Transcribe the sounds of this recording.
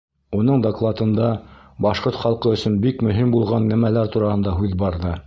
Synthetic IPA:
unɤɴd̪oklˠɑt̪ɤ̆nd̪ɑ | bɑʃqoɾt̪χɑlˠqɤɵ̆sɵnbikmɵ̆ɦimbulˠʁɑnːæmælæɾt̪uɾɑhɤ̆nd̪ɑɦʉðbɑɾðɤ

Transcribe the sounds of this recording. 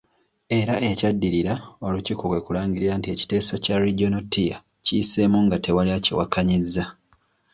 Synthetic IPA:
e̞ɾaʔecadːiɾiɾao̞lucikokwe̞kulaːɲɡiɾiɾantie̞ci̥te̞ːsocaɾiɟonotija̰ | ciːse̞muŋɡatʰe̞waliaciwakaɲizːa

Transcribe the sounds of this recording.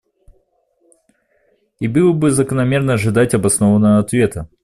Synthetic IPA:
ibɨlˠəbɨzəkənɐmʲe̞rnəɐʐɨd̪atʲɐbɐsnovənːəəɐt̪vʲe̞t̪ʰə

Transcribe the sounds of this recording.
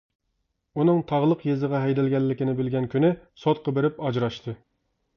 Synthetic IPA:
unɨŋt̪ʰɑʁlˠəqjezɨʁɑɦɛjd̪ɛlɡʲɛlːɪkʲɪnɪbɪlɡʲɛnkʲʰynɪsot̪̚qʰɑbeɾɪpɑd͡ʒɾɑʃt̪ʰɨ

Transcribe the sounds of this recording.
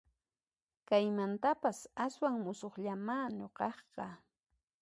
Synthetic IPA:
kajmant̪apasaswaŋmʊsoχʎamaːɲoqɑχqɑ

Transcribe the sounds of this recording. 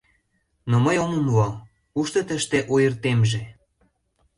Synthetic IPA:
noməjoməmlɑ | uʃt̪ə̆t̪ə̆ʃt̪eʔojərt̪emʒe

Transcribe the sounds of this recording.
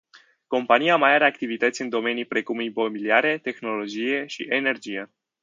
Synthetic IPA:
ko̞mpaniamajaɾe̞akt̪ivit̪ət̪sʲɨnd̪o̞me̞nijpɾe̞kumipomiliaɾe̞t̪e̞xno̞lo̞d͡ʒije̞ʃḭʔene̞rd͡ʒije

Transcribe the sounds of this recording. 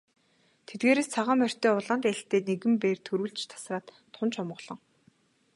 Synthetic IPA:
t̪ʰet̪̚ɡeːɾeːst͡sʰaʁə̆ːmœr̥ʲt̪eːʊɮant̪æɬt̪eːneɣɘ̆mpeːrt̪ʰɵɾŭɮt͡ɕt̪ʰḁsraːt̪ːʰʊnt͡ɕʰɔmʁɞ̆ɮ̥ɞ̆ŋ

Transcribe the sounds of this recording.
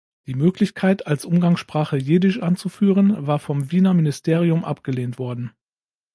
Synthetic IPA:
d̥iːmøːklɪçkʰaɪtʰalsʔʊmɡaŋsʃpʁ̥aːχəjeːdɪʃʔant͡sufyːʁənvaːɐfɔmviːnɐmɪnɪstʰeːʁ̞iʊmʔa̰pɡ̥əleːntv̥ɔɐdn̩

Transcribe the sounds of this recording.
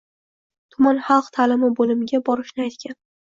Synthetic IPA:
t̪ʰʊmanχɑlˠqt̪ʰalɪmɪbolɪmɪɡʲabɒɾɪʃnɪajt̪kʲʰan

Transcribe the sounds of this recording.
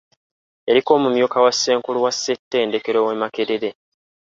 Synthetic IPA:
e̞ɾiko̞ːmumjo̞kawasːe̞ːŋkuluwasːetːe̞ːnde̞ke̞ɾoːwemake̞ɾeɾe̞

